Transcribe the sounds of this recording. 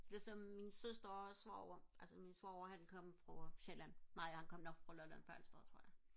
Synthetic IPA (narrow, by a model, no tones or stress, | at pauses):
l̥esɒmminsøsd̥ɐsʋɑ̈ːɒʊ̰ɐʔælsəminsʋɑ̈ɒʊɐhæd̥kʰɒ̽m̰fʁɑɕed̥lænnɑ̈ɪ̰hænkʰɒ̽mnɒ̽ɡ̥fʁɑlɔlænpʰæɐlsd̥ɒ̰t͡sʰʁo̝ɐjɑɪ